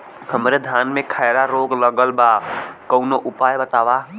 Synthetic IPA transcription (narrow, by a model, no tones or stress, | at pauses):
həmɾed̪ʱjanmẽkʰaɪɾaɾoːɡləɡəlbakəʊnoʔʊpaːjbət̪aːʋa